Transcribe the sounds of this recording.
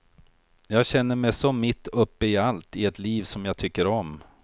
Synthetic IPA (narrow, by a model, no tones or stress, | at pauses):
jɑːɡɕɛnːəɾmɛjsɔmɪt̪ːɵpːəɪalt̪ɪɛt̪liːvsɔmjɑːɡ̚t̪ʰʏkːəɾɔm